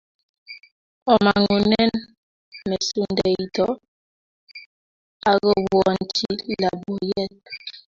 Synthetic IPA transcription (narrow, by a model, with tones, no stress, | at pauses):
ɔ˨ma˨ŋu˨nɛ˦n | mɛ˨su˦ndɛ˨i˨tɔ˦ | a˨ɣɔ˦˨wɔ˦˨n˨ti˦la˨bɔ˨jɛ˦t̚